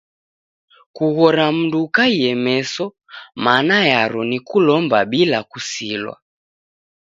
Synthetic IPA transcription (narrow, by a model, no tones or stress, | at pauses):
kuɣɔɾam̩ndukaiɛmɛsɔ | manajaɾɔnikulɔmbaɓilakusilwa̰